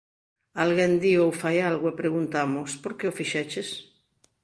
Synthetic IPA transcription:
alɣend̪iowfajalɣoepɾeɣ̞unt̪amospoɾkeofiʃɛt͡ʃes

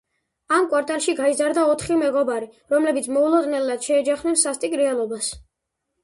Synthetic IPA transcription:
amkʼwaɾt̪ʼalˠʃiɡaizaɾd̪aɔt̪ʰχimɛɡɔbaɾiɾɔmlɛbit̪sʰmɔulˠɔd̪nɛlːad̪̥ʃɛːd͡ʒaχnɛnsast̪ʼikʼɾɛalˠɔbas

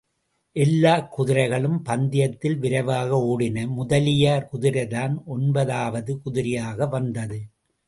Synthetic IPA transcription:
ʔɛlːaːkːʊðɪɾɐɪɣɐɭɯmpɐnd̪ɪjɐt̪ːɪlʋɪɾɐɪʋaːɣɐoːɽɪnɐmʊðɐlɪjaːɾkʊðɪɾɐɪðaːnʔɔnbɐðaːʋɐðɯkʊðɪɾɪjaːɣɐʋɐnd̪ɐðɯ

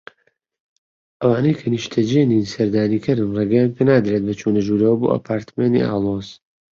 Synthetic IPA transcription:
ʔɐwaːnɐjkʰɐniʃt̪ʰɐd͡ʒeːninsɐɾd̪aːniːkʰɨɾɨnreːɡɛjaːnpʰenaːd̪ɾet̪̚bɐt͡ʃʰuːnɐʒuːɾɐwɐbo̰ːa̰pʰaːɾt̪meːnḭʔa̰ːlˠoz̥

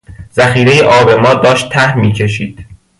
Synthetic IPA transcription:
z̥æxiːɾe̞jeʔɒːbe̞mɒːd̪ɒːʃt̪ʰːæhmiːcʰe̞ʃiːd̪̥

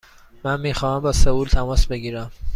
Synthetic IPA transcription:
mænmiːxɒːhæmbɒːseuːlt̪ʰæmɒːsbe̞ɡiːɾæm

